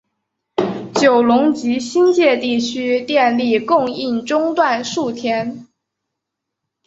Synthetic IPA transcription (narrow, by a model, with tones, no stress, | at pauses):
t͡ɕjo˨˩ʊlʊ˧˥ŋt͡ɕi˧˥ɕi˥nt͡ɕjɛ˥˧t̪i˥˩t͡ɕʰy˥t̪jɛ˥˧nli˥˧kʊ˥˧ŋi˥˩nʈ͡ʂʊ˥ŋt̪wa˥˧nʂu˥˩t̪ʰjɛ˥n